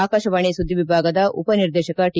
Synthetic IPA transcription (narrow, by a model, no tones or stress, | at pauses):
aːkaːʃɐʋaːɳisud̪ʱːiʋibʱaːɡɐd̪ɐṵpɐniɾd̪eːʃɐkɐʈi